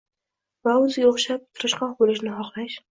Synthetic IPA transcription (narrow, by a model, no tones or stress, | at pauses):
vaʊzoχʃap̚t̪ʰʊɾɪʃqɒqbolɪʃnɪɦɒqlaʃ